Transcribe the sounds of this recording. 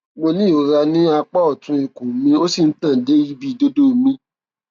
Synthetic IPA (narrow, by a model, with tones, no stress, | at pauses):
mo˧nĩ˦˨o˨ɾa˧nĩ˦a˧k͡pɔ˦ɔ˦˨tũ˧˦i˨ko˨mĩ˦o˦si˦˨n̩˦tã˦˨˦de˨˦ji˦bi˦˨do˦do˦˨mĩ˧˦